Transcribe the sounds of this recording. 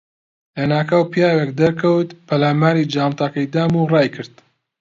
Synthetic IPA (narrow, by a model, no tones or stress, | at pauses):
lɐnaːkɐwpjaːwek̚d̪ɐɾkʰɐwt̪pʰɐlaːmaːɾiːd͡ʒaːmt̪ɑkɐjd̪aːmurɑːjkʰɨɾd̪